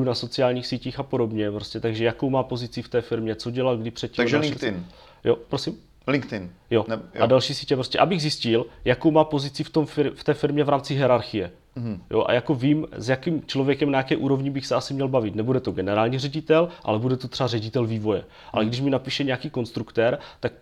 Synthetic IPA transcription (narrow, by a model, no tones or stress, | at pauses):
unaso̞t͡sɪaːlɲiːxsiːciːxapo̞do̞bɲɛpɾo̞scɛt̪aɡʒɛjako̞wmaːpo̞zɪt͡sɪft̪ɛːfɪɾmɲɛt͡so̞ɟɛlat̪ɡdɪpr̝̥ɛt̪̚cːiamʒlɪɪn | jopɾosim | lɪŋkt̪ɪnjo̞ʔadalʃiːsiːcɛpɾostcɛʔabɪɣzɪscɪljako̞wmaːpo̞zɪt͡sɪft̪o̞mfɪft̪ɛːfɪɾmɲɛvɾaːmt͡sɪɦɛɾaɾxɪjɛ | joʔa̰jako̞viːmzjakimt͡ʃlo̞vjɛkɛmnajakɛːʔuːɾo̞vɲɪbɪxsɛasɪmɲɛlbavɪt̪nɛbudɛt̪o̞ɡɛnɛɾaːlɲirɛɟɪt̪ɛlʔa̰lɛbudɛt̪ot̪r̝̥ɛarɛɟɪt̪ɛlviːvo̞jɛ | ʔa̰lɛɡdɪʃ̬mɪnapiːʃɛɲakiːko̞nst̪ɾukt̪ɛɾt̪ak̚